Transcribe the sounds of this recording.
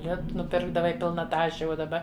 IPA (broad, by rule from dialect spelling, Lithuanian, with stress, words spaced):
ˈlʲɪtʊ nʊˈpʲɪrɡdɐʋɐɪ ˈpʲɪlˠnɐ ˈtɑːʃʲɛ uɔ dɐˈbɐ